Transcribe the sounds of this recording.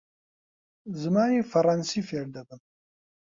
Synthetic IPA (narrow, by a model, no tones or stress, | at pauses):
zmɑːjefaɾɑːnsifeɾ̚d̪ad̪əm